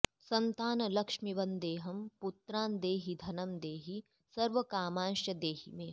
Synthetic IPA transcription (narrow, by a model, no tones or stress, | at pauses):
sɐnt̪aːnɐlɐkʃmiʋɐnd̪eːɦɐmput̪ɾaːnd̪eːɦid̪ʱɐnɐmd̪eːɦi | sɐɾʋɐkaːmaːnʃjɐd̪eːɦḭmẽː